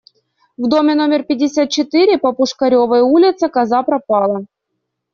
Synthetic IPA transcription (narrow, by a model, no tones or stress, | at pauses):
vd̪o̞mʲɪnomʲɪrpʲɪdʲːɪsʲat̪̚t͡ɕɪt̪ɨɾʲɪpɐpʊʂkɐɾʲo̞vəjulʲɪt̪səkɐzapɾɐpɑlˠɐ